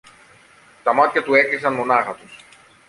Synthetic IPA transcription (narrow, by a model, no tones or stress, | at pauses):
t̪ɐmɐt̪çɐt̪ue̞klisɐnmo̞nɐɣɐt̪us